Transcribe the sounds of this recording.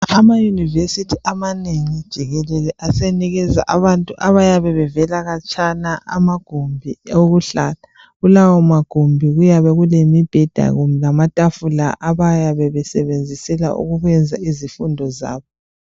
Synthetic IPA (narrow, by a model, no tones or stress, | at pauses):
amajunivesitʰiʔamaneŋid̥ʒ̥ʱiɣɛlɛlɛʔaseniɣɛza̰ʔaβantʼuʔaβajaβɛβɛvɛlaɣat͡ʃʼanaa̰maɡ̥ʱombʱioɣuɬala | ɣulawɔmaɡ̥ʱombʱiɣujaβɛɣulemib̥ʱɛd̥ʱa̰ɣumɛlamatʼafulaʔaβajaβɛβɛsɛβend͡zʱisɛla̰ʔṵɣuɣɛnd͡zʱaizifundʱɔza̰ːβɔ